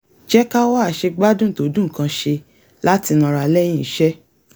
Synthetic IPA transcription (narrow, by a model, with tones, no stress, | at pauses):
d͡ʒɛ˦ka˦wa˦a˦˨ʃe˧ɡ͡ba˦dũ˦˨to˨˦dũ˦˨kã˧ʃe˧ | la˦ti˧nã˧ɾa˨˧lɛ˦j̃ĩ˦i˨˦ʃɛ˦